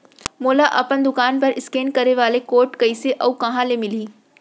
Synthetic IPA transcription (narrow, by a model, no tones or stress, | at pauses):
moːlaʔɐpənd̪ʊkaːnpɐɾɪskeːnkɐɾeʋaːlekoːɾʈkɐiseʔɐukɐɦãlemɪliː